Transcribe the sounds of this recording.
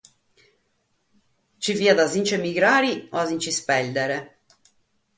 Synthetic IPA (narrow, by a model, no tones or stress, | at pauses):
t͡ʃiviːad̪azint͡ʃɛmiɡɾaːɾioazint͡ʃispɛld̪ɛɾɛ